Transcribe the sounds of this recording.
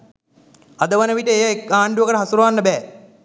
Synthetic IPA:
ad̪əʋənəʋiʈəejaekːaːɳɖuʋəkəʈəɦasuɾɐʋanːəbɛː

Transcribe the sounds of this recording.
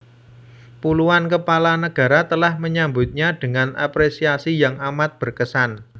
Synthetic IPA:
puluankəpalanəɡ̥a̤ɾat̪əlahməɲambʊt̪̚ɲad̥ə̤ŋanʔa̰pɾesiasijaŋamat̪̚b̥ə̤rkəsan

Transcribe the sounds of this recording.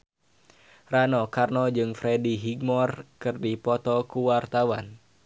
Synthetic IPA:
ranɔkarnɔd͡ʒɨŋfɾɛdiɦiɡmɔrkɨrdipɔt̪ɔkuwart̪awan

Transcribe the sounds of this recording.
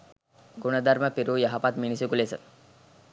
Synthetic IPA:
kuɳ̃əd̪ʱaɾməpiɾujaɦapat̪minisekulesə

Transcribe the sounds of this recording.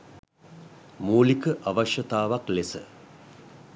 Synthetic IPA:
muːlikəʔaʋaʃjɐt̪aːʋaklesə

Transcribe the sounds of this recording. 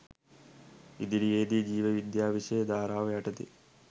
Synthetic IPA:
id̪iɾieːd̪id͡ʒiːʋɐʋid̪jaːʋiʃeːd̪aːɾaːʋjaːʈɐt̪ḭ

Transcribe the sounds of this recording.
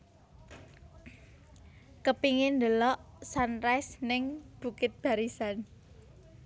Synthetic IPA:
kəpiŋɪnd̪əlɔʔsanɾɛsnɪŋb̥ṳkɪt̪̚b̥a̤ɾisan

